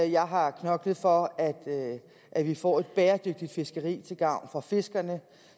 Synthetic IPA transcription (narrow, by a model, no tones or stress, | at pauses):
jɑ̈ɪɦɑ̈kʰnɒ̽ɡ̥lð̩ˠfɒ̽æd̥ | ʔæʋifɒ̰ːe̝d̥̚b̥eːɐd̥øɡ̥̚d̥id̥fe̝sɡ̥əʁḭːt͡sʰe̝lɡ̥ɑ̈ʊ̰nfɑ̈fe̝sɡ̥ɐnə